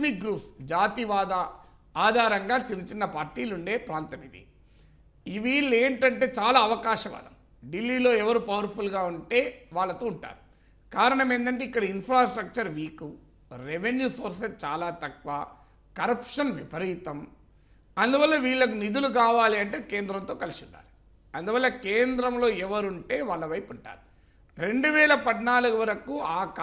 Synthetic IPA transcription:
mik̚ɡɾuːpsd͡ʒaːt̪iʋaːd̪ɐ | aːd̪ʱaːɾɐŋɡaːt͡ʃilit͡ʃinːɐpaːɾʈiːluɳɖe̞ːpɾaːnt̪ɐmid̪ḭ | iʋiːɭːeːɳʈɐɳʈe̞ːt͡ʃaːlaːɐʋɐkaːʃɐʋɐ̰d̪ɐm | ɖilːiːlo̞ːɛʋɐɾupɐʋɐɾpʰulɡaːuɳʈe̞ːʋaːɭːɐt̪oːuɳʈa̰ːɾu | kaːɾɐɳɐme̞ːnt̪̬ɐɳʈeikːɐɽɐinpʰɾaːsʈɾɐk̚t͡ʃɐɾʋiːku | ɾeʋenjuːso̞ːɾsest͡ʃaːlaːt̪ɐkʋaː | kɐɾɐpʂɐnʋipɐɾiːt̪ɐm | ɐnd̪uʋɐlːɐʋiːɭːɐkunid̪uluk̬aːʋaːliɐɳʈeːkeːnd̪ɾɐnt̪o̞ːkɐlisunːa̰ːɾu | ɐnd̪uʋɐlːɐkeːnd̪ɾɐmlo̞ːɛʋɐɾuɳʈeːʋaːɭːɐʋɐjpuɳʈa̰ːɾu | ɾe̞ɳɖuʋɛːlɐpɐd̪naːluɡuʋɐɾɐkuaːk

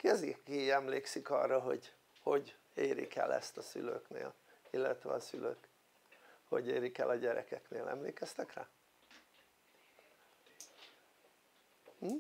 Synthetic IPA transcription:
kɛzikiɛmleːksikɒ̰rːɒɦo̞ɟ | ho̞ɟ | eːɾḭkɛlɛst̪ɒsyløːknḛːl | ilːɛt̪ʋɛ̰ɒsyløːk | ho̞ɟeːɾikɛlɒɟɛɾɛkɛkneːlɛ̰mleːkɛst̪ɛkra̰ː

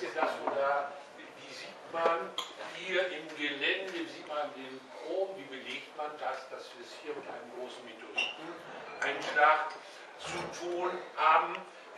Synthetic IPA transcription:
iːɐdasoːda | viːziːtmanhiːɐʔɪmɡəlɛndəviːziːtmandeːnkʁoːbmviːbəleːktmandasd̥asviɛshiːɐmɪtʔa̰ɪnəmɡʁoːsn̩mitʰoʁitn̩ | ʔaɪnʃlaχt | t͡sutʰuːnhaːbm̩

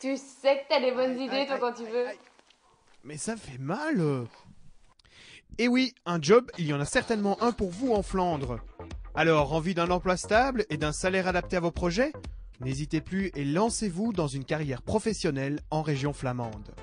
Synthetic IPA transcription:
t̪ysɛkət̪yad̪ebɔnzid̪et̪wakɑ̃t̪yvø | mɛsafɛmalø | ewiɛ̃d͡ʒɔbiljɑ̃nasɛʁt̪ɛnmɑ̃ʔɛ̃puʁvuɑ̃flɑ̃d̪ʁalɔʁɑ̃vyd̪ɛ̃nɑ̃plwast̪abled̪ɛ̃salɛʁad̪ap̚t̪eavopχɔʒɛ | nezit̪eplyelɑ̃sevud̪ɑ̃zynkaʁjɛʁpχɔfɛsjɔnɛlɑ̃ʁeʒjɔ̃flamɑ̃d̪

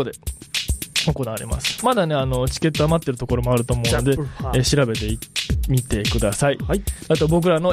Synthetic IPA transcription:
od̪e̞ | oko̞naβaɾʲḭma̰sɨ̥mad̪ane̞ano̞t͡ɕi̥ke̞t̪ːoamat̪ːe̞ɾɯ̟t̪o̞ko̞ɾo̞mo̞aɾɯ̟t̪o̞ːmo̞ɯno̞d̪e̞eɕiɾabe̞t̪e̞imʲit̪e̞kɯ̟d̪asaiat̪o̞bo̞k̬ɯ̟ɾano̞

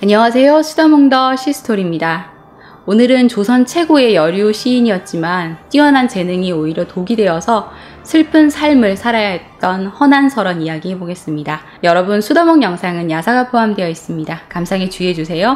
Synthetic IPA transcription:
aɲʌŋasʰe̞josʰudʌmoŋdʌɕʰisʰɯ̥tʰoɾimɲida | onɯɾɯnt͡ɕosʰʌnt͡ɕʰe̞ɡue̞jʌɾjuɕʰiːɲiʌt̚t͡ɕ͈imant͈iwʌnɦant͡ɕe̞nɯŋioiɾjʌtoɡidwe̞ʌsʰʌ | sʰɯɭpʰɯnsʰaɭmɯɭsʰaɾajaɦet̚t͈ʌnhʌnansʰʌɾʌnijaɡiɦe̞boɡe̞s͈ɯmɲida | jʌɾʌbunsʰudʌmoŋjʌŋsʰaŋɯnjasʰaɡapʰoɦamdwe̞jʌis͈ɯmɲidakamsʰaŋet͡ɕue̞d͡ʑusʰe̞jo

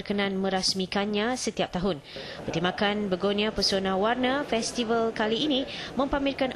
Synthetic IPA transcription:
rkənãnmə̃ɾasmikanɲãsət̪iap̚t̪aɦʊn | bərt̪imbakanbəɡonĩapərsonãwarnafɛst̪ivəlkaliːnĩmə̃mpamɪlkan

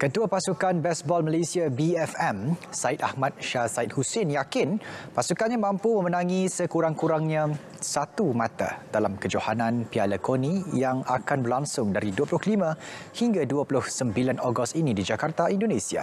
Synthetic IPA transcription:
kət̪uapasukanbɛsbɔlməlesiabiɛfɛmsaɪt̪̚ahmat̪̚ʃasaɪt̪̚husɪnjakɪnpasukanɲãmãmpumə̃mənãŋĩsəkuɾaŋkuɾaŋɲã | sat̪umat̪a̰d̥alamkəd͡ʒohanãnpialəkonĩjaŋa̰kanbərlaŋsʊŋdaɾiduəpulʊhklimə̃hiŋɡaduapulʊhsəmbilanoɡɔst̪inidid͡ʒakart̪aindonẽsia̰

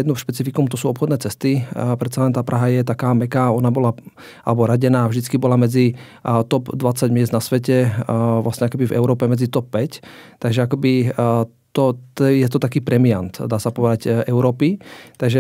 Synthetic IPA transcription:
jɛd̪nuʃpɛt͡sifikɔmt̪ɔsuːɔpxɔd̪nɛːt͡sɛst̪ipɾɛt̪t͡salɛnt̪aːpɾaɦajɛt̪akaːmɛkaːɔnabɔla | ʔa̰lɛbɔɾaɟɛnaːvʒd̪it͡skibɔlamɛd͡zi | t̪ɔbd̪ʋat͡saɟmɪɛzd̪nasʋɛcɛʋlʔasɲɛakɛbivɛ̰ʊɾɔːpɛmɛd͡zit̪ɔpːɛct̪aɡʒɛakɔbi | t̪ɔt̪jɛt̪ɔt̪akiːpɾɛmiant̪d̪aːsapɔʋɛd̪aɟɛʊɾɔːpit̪aɡʒɛ

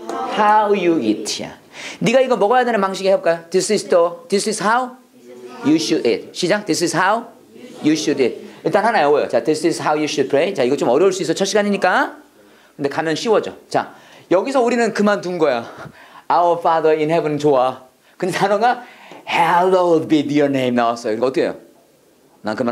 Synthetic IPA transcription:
hawjuitʰhḭniɡaiɡʌmʌɡʌjadwenɯnpaŋɕʰiɡiheʌp̚k͈ajod̪̥isistod̪̥isizhaw | juɕuɾḭt̚ɕʰid͡ʑaŋd̪isizhaw | juɕuɾit̚iɭt͈anɦhanajojo̰t͡ɕad̪isizɦawjuɕud̚pʰɹejt͡ɕaiɡʌt͡ɕ͈omʌɾjʌuɭs͈uis̬͈ʌt͡ɕʰʌɕ͈ʰiɡaɲiɲik͈a | kɯnde̞kamjʌnɕʰiwʌd͡ʑo̰t͡ɕa̰ | jʌɡisʰʌuɾinɯnkɯmant̬unɡʌjo | awəfadəinhɛbɯnt͡ɕoa | kɯndesʰanoɡahalodbidjo˞nẽjmnawas͈ʌjokɯikʌt͈oḛjo̰ | nakɯma

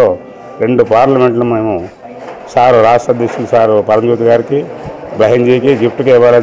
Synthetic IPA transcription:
oː | ɾe̞ɳɖupaːɾlɐme̞ɳʈlɐmeːmu | saːɾuɾaːʂʈɾɐd̪jekʃulɐsaːɾupɐɾɐmd͡ʒoːt̪iɡaːɾikibɐɦeɲd͡ʒekiɡipʈukɛʋaːlɐ

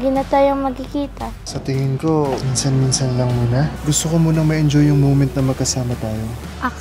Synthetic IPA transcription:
ɡɪnɐt̪aːjoŋmɐɡ̚kɪkiːt̪ɐ | sɐt̪ɪŋɪnko̞minsɐnminsɐnlɐŋmuːnɐɡʊst̪okomuːnɐŋmɐʔɛnd͡ʒojːʊŋmowmɛnt̪̚nɐmɐɡ̚kɐsaːmɐt̪aːjo̞ | ʔɐ

